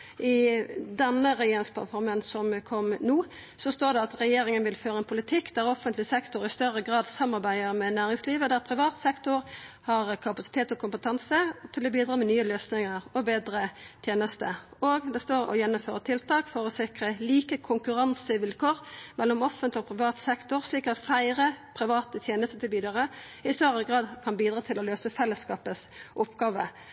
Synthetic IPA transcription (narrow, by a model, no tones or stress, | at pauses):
ʔɪd̪ɛnːəɾɛjeːɾɪŋspʰɑ̰t̪fɔɾmənsɔmkʰɔmnuː | sɔst̪oːɖɛɑt̪ʁɛjeːɾɪŋənʋɪlføːʁəɛnpʰʊlɪt̪ʰɪkːd̪ɛæɾɔfːənt̪lɪsɛkt̪ʊɾɪst̪œʁəɡʁɑːd̪sɑmːɑʁbæɪəɾmɛnæːɾɪŋsliːʋəd̪æɾpʰɾɪʋɑːt̪sɛkt̪ʊɾhɑʁkʰɑpɑsɪt̪ʰeːt̪ɔkʰʊmpət̪ʰɑnsət̪ʰɪlɔbiːd̪ɾɑːmɛnyːəløːsnɪŋəʁɔbeːd̪ɾət̪ʰjeːnəst̪əoːɡd̪ɛst̪oːɾɔ̰jɛnːʊmføːʁət̪ʰɪlt̪ʰɑːkfɔʁɔsɪkʁəliːkəkʰʊŋkʉɾɑnsəʋɪlkʰoːʁmɛlːɔmɔfənt̪ɔpʰɾɪʋɑːt̪sɛkt̪ʊʁsliːkɑt̪fæɪʁəpʰʁɪʋɑːt̪ət̪ʰjeːnəst̪ət̪ʰɪlbiːd̪əʁə | ɪst̪øʁəɡʁɑːd̪kʰɑnbiːd̪ʁɑːt̪ʰɪlɔløːsəfɛlːəskɑːpəsʔʊpɡɑːʋə